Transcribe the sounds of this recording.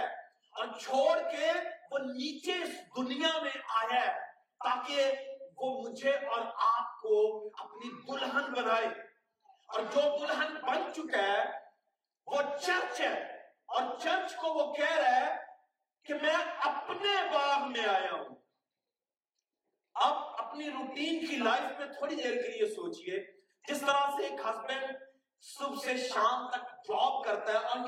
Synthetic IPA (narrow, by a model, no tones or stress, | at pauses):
ɔːɾt͡ʃʰoːɽkeʋoniːt͡ʃeɪsd̪ʊnijamẽʔaːjaː | t̪aːkeʋoːmʊd͡ʒʱeʔɔːɾaːp̚koɐpnibʊlɦənbənaːeː | ɔːɾd͡ʒoːbʊlɦənbɐnt͡ʃʊkeɦɛ | ʋot͡ʃəɾt͡ʃɦɛ̃ː | ɔːɾt͡ʃɐɾt͡ʃkoʋokɛːɾaɦɛ | kemɛ̃ːɐpnebaːbmẽaːjãɦṵ̃ː | ɐbɐpniɾuːʈiːnkilaːɪfmẽt̪ʰoːɽid̪eːɾkeliesoːt͡ʃie | d͡ʒɪst̪əɾaseeːkɦɐsbə̃ɳɖ | sʊbseʃaːmt̪ɐk̚ʈɔːp̚kɐɾt̪aɦɛʔɔːɾ